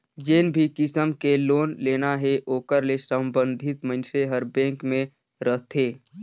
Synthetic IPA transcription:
d͡ʒeːnbʱikɪsəmkeloːnleːnaɦeʔoːkəɾlesə̃mbə̃nd̪ʱɪt̪mənʃeɦəɾbɛ̃ːŋkmẽ | ɾəɦt̪ʰeː

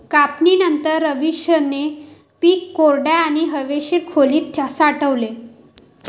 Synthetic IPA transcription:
kapniːnənt̪əɾːəʋiɕjəne | piːkːoɾɖaaɽ̃iɦəʋeɕiɾkʰoliːt̪ʰːjasaʈəʋle

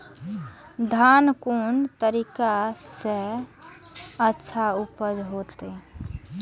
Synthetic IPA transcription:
d̪ʱankunt̪əɾikase | ətːʃʰaupəd͡ʒɦot̪e

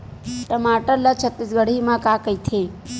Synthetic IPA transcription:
ʈəmaʈəɾlat͡ʃʰət̪ːisɡəɽ̤imãkakəjt̪ʰe

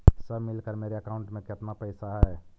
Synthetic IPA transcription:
səbmɪlkəɾmeːɾeəkaʊ̃ɳʈmẽkət̪napəɪsaɦɛː

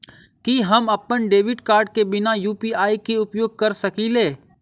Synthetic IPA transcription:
kiɦəmɐpənɖeːʋɪɖkaːɾɖ̚kebɪnajuːpiaːikiʊpjoːɡ̚kəɾsəkileː

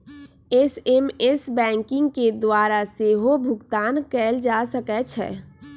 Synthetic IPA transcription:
esemesbɛ̃ːŋkɪ̃ŋɡ̚ked̪waːɾaseɦobʱʊɡt̪aːnkɛːld͡ʒaːsəkɛt͡ʃʰɛ̰ː

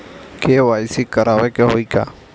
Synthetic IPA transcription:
keːʋaːɪsikəɾaːʋekeɦoːiːka̰ː

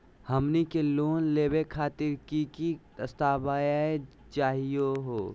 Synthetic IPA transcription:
həmnikeloːnleːbekʰaːt̪ɪɾkikid̪əst̪aːbaːjae | t͡ʃaːɦijoɦoː

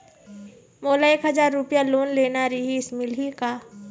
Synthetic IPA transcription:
moːlaeːkɦəzaːɾːʊpijaloːnleːnaɾiɦiɪsmɪlɦikaː

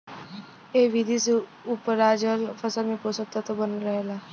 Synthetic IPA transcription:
eːʋid̪ʱiseupəɾaːd͡ʒəlfʰəsəlmẽposəkt̪at̪obənɾəɦelaː

